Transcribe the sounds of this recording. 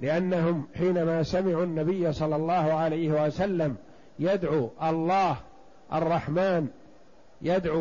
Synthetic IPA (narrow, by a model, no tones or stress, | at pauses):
lɪʔanːaɦʊmħiːnamaːsamɪʕuːnːabɪjːasˤɑlːɑlˤːɑːhʊʕalajhɪwasalːam | jad̪ʕuːʔɑlˤːɑːh | ʔɑ̰rˤːɑħmaːn | jad̪ʕu